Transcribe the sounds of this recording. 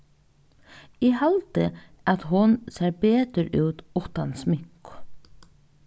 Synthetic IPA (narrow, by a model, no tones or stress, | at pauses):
ɛhalt̪ɪ | aðɦʊnsɛːɾpeːt̪əɾuːwt̪ʊht̪ansmɪŋkʊ̥